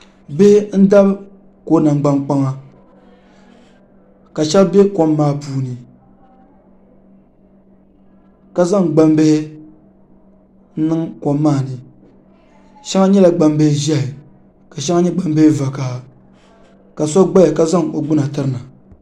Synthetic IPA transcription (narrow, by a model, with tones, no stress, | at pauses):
be˦n̩˦da˦b | ko˦na˨ŋ˨ɡ͡ba˦ŋk͡pa˦ŋa˦ | ka˨ʃɛ˦lbɛ˦ko˦mːaː˦puː˦nɨ˨ | ka˦za˦˨ŋɡ͡ba˦mbe˦hɪ˦ | n̩˦nɨ˦ŋko˨mːaː˦˨nɨ˨ | ʃa˦ŋa˦ɲɛ˦la˨ɡ͡ba˦m˦be˦ʒɛ˦hɪ˨ | ka˨ʃa˦ŋa˦ɲɛ˦ɡ͡ba˦m˦be˦he˦va˨ka˨ | ka˨sa˦ɡ͡ba˦ja˨ka˦za˦˨ŋo˨ɡ͡bɨ˦na˨tɨ˦ɾɨ˦na˨